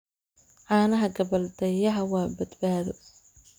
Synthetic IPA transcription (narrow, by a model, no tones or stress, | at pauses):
ʕɑːnɐɦɐɡɐβɐld̪ɛjɐɦɐwaːbɐd̪baːðɔ